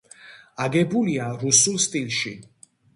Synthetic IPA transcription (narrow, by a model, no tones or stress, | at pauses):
aɡɛbuliaɾusulˠst̪ʼilˠʃi